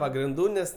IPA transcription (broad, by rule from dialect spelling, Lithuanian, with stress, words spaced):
pɐɡrʲɪnˈduː ˈnʲɛs